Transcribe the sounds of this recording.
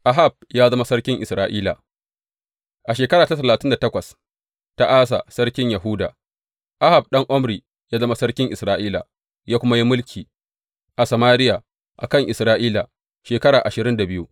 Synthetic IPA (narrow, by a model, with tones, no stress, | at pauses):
ʔa˦ɦa˨b̚jaː˦zɐ˦ma˦sɐ˦rkʲɪ˦ŋʔɪ˨sɾaː˦˨ʔiː˦la̰˨ | ʔa˨ʃeː˨kɐ˦ɾaː˨ta˦tɐ˨laː˨tɪ˦nda˨tɐ˦kʷɐ˨s | ta˦ʔaː˦s̬a̰˨sɐ˦ɽkʲɪ˦ɲja˨ɦʊ˦da̰ː˨ | ʔa˦ha˨b̚ɗɐ˦ŋʔɔ˦mɾiː˨ | jaː˦zɐ˦ma˦sɐ˦rkʲɪ˦ŋʔɪ˨sɾaː˦ʔiː˦la̰˨ | jaː˦kʷʊ˦ma˦ji˦mʊ˦lkʲʰiː˨ | ʔa˨sɐ˨maː˦ɾɪ˦ja˨ | ʔa̰˨kɐ˦˨ŋʔɪ˨sɾaː˦ʔiː˦la˨ | ʃeː˨kɐ˦ɽaː˨ʔa˨ʃɪ˨ɾɪ˦nda˨bɪ˦ju˦